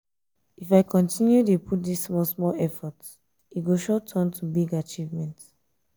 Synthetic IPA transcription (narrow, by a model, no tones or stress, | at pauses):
ifaɪkʰɔ̃ntʰĩnjudepʰut̚dismɔsmɔlɛfɔt | iɡoʃɔtʰɔ̃ntʰubiɡat͡ʃivmɛ̃nt